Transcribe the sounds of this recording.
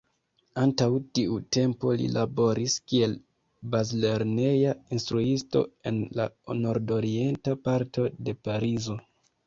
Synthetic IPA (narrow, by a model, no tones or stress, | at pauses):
antawtiute̞mpo̞lḭlʔabo̞ɾiskie̞l | bazle̞ɾne̞jainstɾuisto̞̰e̞̰nla̰no̞ɾdo̞ɾie̞ntapaɾto̞de̞paɾizo̞